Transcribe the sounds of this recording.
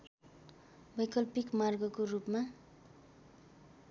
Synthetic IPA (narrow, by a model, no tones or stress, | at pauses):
bʌjkʌlpikmarɡʌkorupma